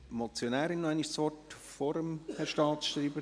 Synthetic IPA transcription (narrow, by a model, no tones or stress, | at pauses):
mot͡sjonɛːɾɪnːoaɪniʃsʋɔt | foɾəmhɛɾʃtɑːt̪sʃtɾiːbə